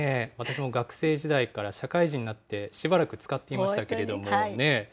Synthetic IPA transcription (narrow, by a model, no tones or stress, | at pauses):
eβat̪aɕ̬imo̞ɡakɯ̟̥se̞ːʑid̪aikaɾaɕakaiʑiɲ̟inat̪ːe̞ɕibaɾakɯ̟t͡sɨ̥kat̪ːe̞imaɕit̪ake̞ɾe̞d̪o̞mone̞